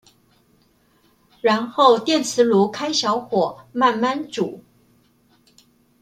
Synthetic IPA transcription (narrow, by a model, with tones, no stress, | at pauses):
ɻa˧˥nxo˥˩ʊt̪jɛ˥˩nt͡sʰɹ̩˧˥lu˧˥kʰa˥ɪɕjɑ˧˥ʊxwɔ˨˩˦ma˥˧nma˥˧nʈ͡ʂu˨˩˦